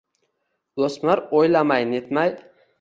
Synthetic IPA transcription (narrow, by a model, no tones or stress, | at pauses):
osmaɾojlamajnet̪maj